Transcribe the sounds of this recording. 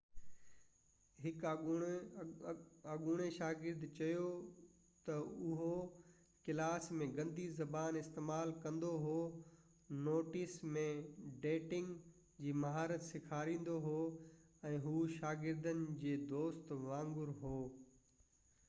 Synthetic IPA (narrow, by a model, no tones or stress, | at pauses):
ɦɪk | aɠʊɽ̃eʃaːɡɪɾd̪t͡ɕɐjo | t̪ɐʊɦo | kɪlaːsmẽɡɐ̃nd̪ʱizɐbaːnɪst̪eːmaːlkɐ̃nd̪oɦoː | noːʈɪsmẽɖeːʈɪ̃ŋɡ | d͡ʑiːmɐɦaːɾət̪sɪkʰaːɾĩːn̆d̪oɦoːɛ̃ːɦuːʃaːɡɪɾd̪ənɪ̆d͡ʑeːd̪oːst̪ʋãːŋɡʊɾɦoː